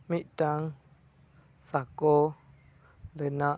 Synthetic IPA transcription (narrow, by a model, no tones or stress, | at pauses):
miʔtaŋ | sako | lena